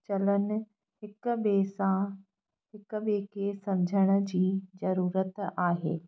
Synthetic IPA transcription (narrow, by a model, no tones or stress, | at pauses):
t͡ɕɐlən̆ | hɪkbeːsã | ɦɪkɓeːkesɐmd͡ʑʱəɽ̃ə̆d͡ʑiːzɐɾuːɾət̪aːɦḛː